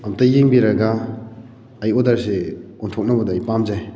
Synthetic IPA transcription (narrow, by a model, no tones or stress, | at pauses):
amtajeŋbiɾaɡaː | jodaɾse | ɔntʰɔk̚nabɐdːjpamzaj